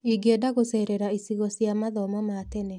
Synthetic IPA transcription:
iɡedaɣosɛɾɛɾaisiɣɔsjamaðɔmɔmatɛnɛ

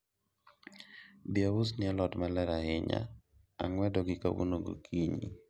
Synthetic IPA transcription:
biausnɪɛlɔtmalɛɾahɪɲa̰ | a̰ŋwɛdɔɡɪka̰wṵnoɡo̰kʰiɲḭ

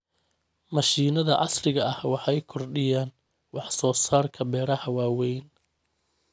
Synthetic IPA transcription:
mɐʃiːnɐðɐ̰ʕɑ̰srɪɣɐɐhwɑħɑjkʰɔrɖɪjaːn | wɑħsɔːsaːrkʰɐbɛːɾɐhɐwaːwɛjn

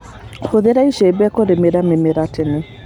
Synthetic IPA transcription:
hoðeɾaiʃebɛkoɾemeɾamemeɾatene

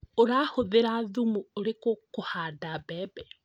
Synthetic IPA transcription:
oɾaːhoðeɾaðumuoɾekokohadabɛːbɛ

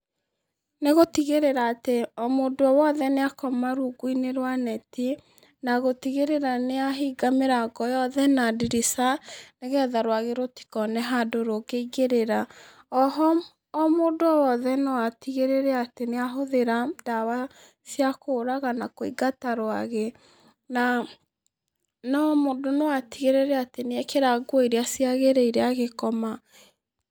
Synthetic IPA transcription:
neɣotiɣeɾeɾaːteɔmodoɔwɔðɛneakɔmaɾuɡuineɾwanɛti | naɣotiɣeɾeɾaneaɦiɡameɾaɡɔjɔðɛnadiɾisaneɣɛðaɾwaɣeɾoti̥kɔnɛɦadoɾoɣeiɣeɾeɾa | ɔɦɔː | moːdoɔwɔðɛnɔwatiɣeɾeɾɛateneaɦoðeɾad̥awa | siakoːɾaɣanakoiɡataɾowaɣe | na | nɔmodonewatiɣeɾeɾɛateneɛkeɾaɡwiɾeasiaɣeɾɛiɾeaɣekɔma

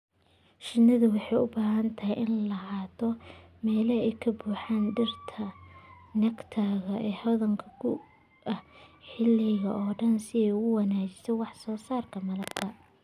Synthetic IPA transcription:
ʃɪnːɐðʊwɑħɑjʊbaːɦɐnt̪ʰɐɦɛjʔɪnlɐɦaːt̪ʰɔmɛːlɐɛjkʰɐbuːħaːnɖɪrt̪ʰɐnɐkt̪ʰaːɣɐʔɛːhɔðɐŋkʰɐkʰʊ | ʔɐhħɪlɪɣɐʔɔːɖɐnsɪɛjʊɣʊwɑnaːt͡ʃɪ̥sɛwɑħsɔːsaːrkʰɐmɐlɐk̪ʰɐ

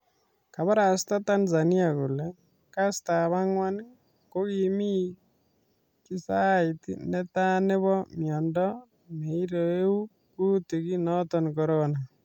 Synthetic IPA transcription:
kaβaɾastatanzaniakulɛ | kastaβaŋwan | kokimi | kisaitḭnɛtaneβɔmjɔndɔ | meiɾoeu | kutikinɔtɔnkɔɾɔna

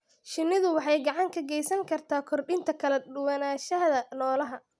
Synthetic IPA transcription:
ʃɪnːɪðʊwɑħɑjɡɑʕɑŋkʰɐɡɛjsɐŋkʰɐrt̪ʰaːkʰɔrɖɪnt̪ʰɐkʰɐlɛɗʊwɐnaːʃɐðɐnɔːlɐɦɐ

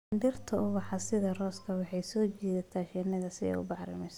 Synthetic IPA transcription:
nɖɪrt̪ʰɐʊβɑħɑsɪðɐrɔːskʰɐwɑħɑjsɔːt͡ʃɛːðɐt̪ʰaːʃɛnɐðɐsɪɛ̰jʊ̰bɑħɾɪ̰mɛs

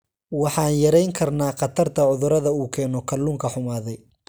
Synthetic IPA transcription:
wɑħɑːnjɐɾɛjŋkʰɐrnaːqɑt̪ʰɐrt̪ʰɐʕʊðʊɾɐðɐuːkʰɛːnɔkʰɐluːŋkʰɐħʊmaːðɛj

